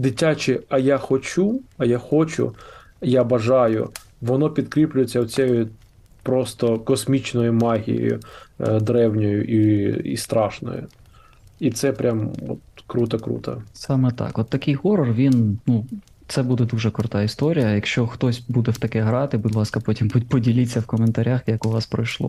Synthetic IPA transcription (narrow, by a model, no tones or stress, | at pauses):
d̪ɪtʲat͡ʃɪɐjaxɔt͡ʃuɐjaxɔt͡ʃʊ̰ | jabɐʒɑjʊ̰ | ʋɔnɔpʲid̪kɾʲiplʲʊjet͡sʲːɐwt͡sʲɛjʊ | pɾɔst̪ɔkɔsmʲit͡ʃnɔjʊmɑɦʲḭjo̰jʊ̰d̪ɾɛwnʲɔjʊʔiḭst̪ɾɑʃnɔ̰jʊ̰ | it̪sɛpɾʲamɔ̰t̪kɾut̪ɐkɾṵt̪ɐ̰sɑmɛt̪ɑ̰kɔt̪ːɐkɪjɦɔɾɔrʋʲinnu | t̪sɛbud̪ɛd̪uʒɛkɾʊt̪ɑist̪ɔɾʲijɐjɐkʃt͡ʃɔxt̪ɔsʲbud̪ɛwt̪ɐkɛɦɾɑt̪ɪbʊd̪ʲlˠɑskɐpɔtʲimbʊd̚ʲpɔdʲilʲit͡sʲːɐwkɔment̪ɐɾʲaxjɐkʊʋɑspɾɐjʃlˠɔ̰